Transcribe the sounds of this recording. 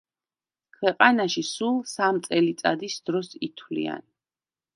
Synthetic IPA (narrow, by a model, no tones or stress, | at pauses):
kʰwɛqʼanaʃisulˠsamt̪sʼɛlit̪sʼa̰d̪isd̪̥ɾɔsit̪ʰwlḭa̰n